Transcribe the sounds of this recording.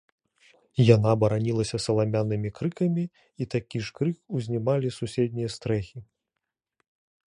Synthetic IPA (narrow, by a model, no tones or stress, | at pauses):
janabɐɾanʲilˠɐsʲɐsɐlˠamʲanːɨmʲikɾɨkɐmʲi | it̪akʲiʂkɾɨkuzʲnʲimalʲisusʲɛd̪̚ʲnʲijɐst̪ɾɛxʲi